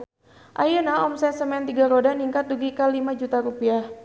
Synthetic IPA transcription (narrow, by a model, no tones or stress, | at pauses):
ʔajənaɔmsɛnsəmɛnt̪iɡaɾodaniŋkat̪̚duɡikalimad͡ʒut̪aɾupiah